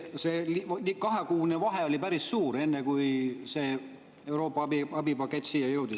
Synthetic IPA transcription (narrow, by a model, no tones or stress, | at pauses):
seːlilikɑɦekuːnevɑɦeo̞lʲipæɾisːuːɾe̞nːekujse̞ː | e̞wɾo̞ːpːˑɑɑbiɑbipɑkːˑe̞t̪ʲːˑsiːjɑjɤwd̪i